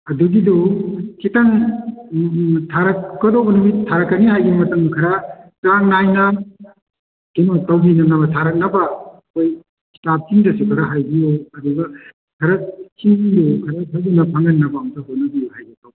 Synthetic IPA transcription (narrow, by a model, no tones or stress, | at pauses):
ɐduɡidukitaŋ | tʰaɾɐkːɔdobɐnumitʰːaɾɐkːɐnihajɡimɐtɐŋkʰɐɾakaŋnajna | kenotɐwbinɐnɐbɐtʰaɾɐk̚nɐbɐkoj | kʰi̥tap̚t͡ʃiŋdɐsukʰɐɾaɦajbijuɐduɡɐ | kʰɐɾɐt͡ʃiŋdukʰɐɾatʰabunɐpʰaŋanːɐbamtaɦot̚nɐbijuhajɡitaw